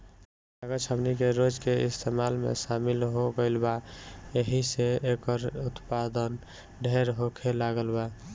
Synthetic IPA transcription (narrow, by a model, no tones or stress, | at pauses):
aɡət͡ʃʰəbnikeɾod͡ʒkeist̪ʰemalmḛsamilɦoɡəɪlbaeɦiseekəɾut̪pad̪ən | ɖʱeɾɦokʰelaɡəlba